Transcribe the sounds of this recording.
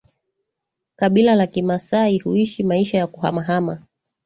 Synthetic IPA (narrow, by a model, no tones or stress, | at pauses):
kaɓilalakimasaihuiʃimaiʃajakuɦa̰maɦama